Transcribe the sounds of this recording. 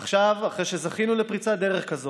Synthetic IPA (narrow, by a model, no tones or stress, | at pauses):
χʃavaχʁeʃezaχinulepʁit͡sad̪eʁeχkazo